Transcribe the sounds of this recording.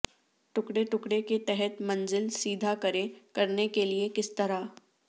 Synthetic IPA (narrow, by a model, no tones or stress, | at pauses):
ʈʊkɽeʈʊkɽeket̪ɛɦɛt̪mɐ̃nzɪlsiːd̪ʱakɐɾẽkɐɾnekeliekɪst̪ɐɾa